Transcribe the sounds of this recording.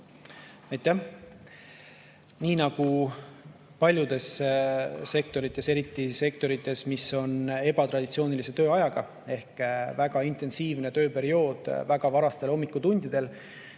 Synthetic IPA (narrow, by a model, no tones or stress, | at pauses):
ɑjt̪ˑːæh | niːnɑɡ̥u | pɑlʲjud̪̥e̞s | se̞k̚t̪o̞ɾit̪ːˑe̞se̞ɾit̪ːˑise̞k̚t̪o̞ɾit̪ːˑe̞smiso̞ne̞b̥ɑt̪ɾɑd̪̥ʲit̪sioːnilise̞t̪øːɑjɑɡ̥ɑ | e̞hkvæɡ̥ɑint̪e̞nsiːvne̞t̪ø̞ːpe̞ɾio̞ːd̪̥væɡ̥ɑvɑɾɑst̪e̞lo̞mːikːut̪unʲd̪̥id̪̥e̞l